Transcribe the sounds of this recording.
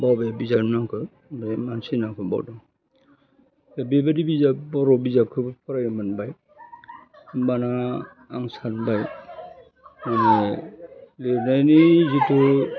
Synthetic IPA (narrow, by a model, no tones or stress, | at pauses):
bawbajabizaɾnakʰɯ | bamansinakʰɯbɔ̰wdɔ | ebebadibizabɔɾɔbizakʰɯpʰɔɾajɔmanbaj | banaː | ŋsanbaj | mane | lenajnizitu